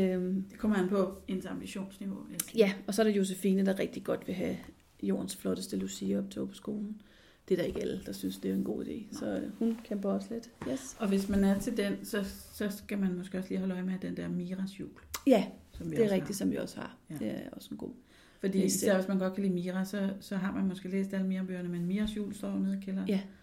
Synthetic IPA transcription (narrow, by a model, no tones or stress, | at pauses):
øm̥kʰɒmɐænpʰɒ̽e̝nsɑ̈mb̥iɕo̝̰ːnsniʋo̝jæɒ̽sɒ̽æɐɾejo̝s̬efiːnəd̥ɑ̈ʁɛɡ̥̚d̥iɡ̥ɒ̽d̥ʋe̝ɦæ | jo̝̰ːɐn̩sflɒ̽ɾ̥əsd̥əlusiɒ̽b̥̚t͡sʰepʰɒ̥̽sɡ̥o̝ːln̩ | d̥e̝d̥ɑ̈e̝ɡ̥æld̥ɑ̈synsd̥e̝æɐenɡ̥o̝̰ːid̥e̝̰ːsɒ̽hunkʰemb̥ɐɒsle̝d̥jesɒ̽ʋe̝smænæɐt͡sʰe̝ldensɒ̽sɒ̽sɡ̥æmænmɒ̽sɡ̥e̝ːɒ̽sliːɦɒ̽ləɒ̽ɪmehæd̥end̥eɐmiːʁɑsjṵːljæsɒ̽mʋid̥eæʁeɡd̥isɒ̽mʋiɒ̽shɑ̥̈e̝æɐɒ̽sen̩ɡ̥o̝̰ː | fɒd̥ḭːsæɐʋesmænɡ̥ɒ̽d̥̚kʰæliːmiːʁɑsɒ̽sɒ̽ɦɑ̈mænmɒsɡ̥e̝̰ːlḛːsd̥ælmiːʁɐb̥ø̰ːɐnəmenmiːʁɐsjṵːlsd̥ɒ̰ːneðˠkʰelɐ